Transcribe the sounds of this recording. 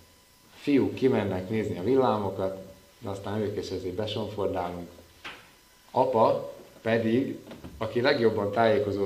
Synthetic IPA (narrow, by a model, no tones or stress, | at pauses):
ɒfijuːkːimɛnːɛkneːzniɒvilːaːmo̞kɒt̪ | d̪ɛɒst̪aːnøːkeːʃɛzeːbɛʃo̞ɱfo̞rd̪aːluŋk | ɒpɒpɛd̪iɡɒkilɛɡjo̞bːɒnt̪aːjeːko̞zoː